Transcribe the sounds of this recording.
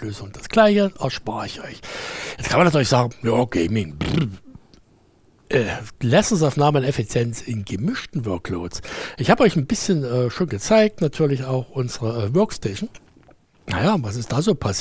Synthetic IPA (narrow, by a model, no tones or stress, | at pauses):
løːzʊŋʊnt̚d̥asɡ̥laɪçəʔɛɐʃpaːʁəɪçʔɔʏçjɛt͡skʰanmanatʰyːɐlɪçsz̥aːɡŋ̩jaːokʰeːminb | ʔɛːlɛsts̬aʊfnaːmənɛfit͡sjɛnt͡sɪnɡəmɪʃtn̩vœɐklo̰ːtsʔɪçhaːbəɔʏçnbɪsçənɛːʃoːnɡət͡saɪk̚tnatʰyːɐlɪçaʊxʔʊnzəʁəɛːvœɐkstɛːʃn̩ | najaːvas̬ɪstd̥aːzoːpʰas